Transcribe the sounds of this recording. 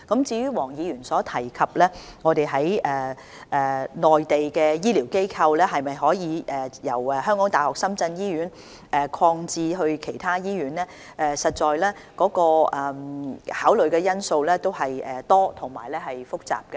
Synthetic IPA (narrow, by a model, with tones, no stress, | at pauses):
kɐ˨˥mt͡siː˧ɥyː˥wɔː˨˩ŋjiː˨˧ɥyː˨˩nsɔː˨˥t̪ʰɐ˨˩jkʰɐ˨p̚lɛː˥ŋɔ˨˧t̪e˨jɦɐ˨˥jʔɛː˨˩ | ʔɛː˨˩nɔː˨jt̪e˨jkɛː˧jiː˥liː˨˩wke˥jkʰɐ˧wlɛː˥ɦɐ˨jmɐ˨jɦɔː˨˥jiː˨˧ʔɛː˨jɐ˨˩wɛ˨˩ɦœː˥ŋkɔː˨˥ŋt̪aː˨˩hɔː˨k̚sɐ˥mt͡sɐ˧njiː˥ɥyː˨˥n | ʔɛː˨kʰɔː˧ŋt͡siː˧ɦɵ˧ɥkʰe˨˩jt̪ʰaː˥jiː˥ɥyː˨˥nlɛː˥ | ʔɛː˨sɐ˨t̚t͡ʃɔː˨jlɛː˥kɔː˨˥kɔː˧ʔɛ˨haː˨˥wlɵ˨˩ɥkɛː˧jɐ˥nso˧wlɛː˥t̪o˥whɐ˨jɛ˨t̪ɔː˥t̪ʰʊ˨˩ŋma̰ː˨˩jlɛː˥ɦɐ˨jfʊ˥k̚t͡sa̰ː˨p̚kɐ˧